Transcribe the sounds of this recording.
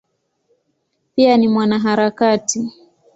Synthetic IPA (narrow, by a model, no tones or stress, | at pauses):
pianimwanaɦaɾakati